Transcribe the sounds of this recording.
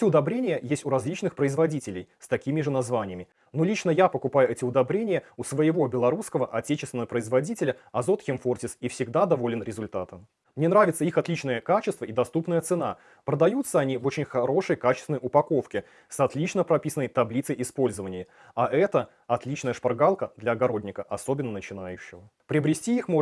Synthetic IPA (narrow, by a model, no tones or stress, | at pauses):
ɛtʲɪʊd̪ɐbɾʲenʲɪjəjesʲtʲʊɾɐzʲlʲit͡ɕnɨxpɾəɪzvɐdʲitʲɪlʲɪ̰jst̪ɐkʲimʲɪʐɨnɐzvanʲɪjəmʲɪ | nolʲit͡ɕnəjapəkʊpajʊɛtʲɪʊd̪ɐbɾʲenʲɪjəʊsvəjɪvo̞bʲɪlˠɐɾuskəvəʔɐtʲet͡ɕɪst̪vʲɪnəvəpɾəɪzvɐdʲitʲɪlʲəɐzo̞t̪xʲɪmfortʲɪsifsʲɪɡd̪ad̪ɐvo̞lʲɪnɾʲɪzʊlʲt̪at̪əm | mnʲe̞nɾavʲɪt̪səixɐt̪lʲit͡ɕnəjəkat͡ɕɪst̪vəid̪ɐst̪upnəjət̪sɨna | pɾəd̪ɐjut̪səɐnʲivo̞t͡ɕɪnʲxɐɾo̞ʂəjkat͡ɕɪst̪vʲɪnəjʔʊpɐko̞fkʲɪ | sɐt̪lʲit͡ɕnəpɾɐpʲisənːəjt̪ɐblʲit̪səjʔɪspo̞lʲzəvənʲɪjə | ɐʔɛt̪ə | ɐt̪lʲit͡ɕnəjəʂpɐrɡalˠkəd̪lʲɐɐɡɐɾo̞dʲnʲɪkəʔɐso̞bʲɪnːənət͡ɕɪnajʉɕːɪvəpɾʲɪɐbɾʲɪsʲtʲiixmo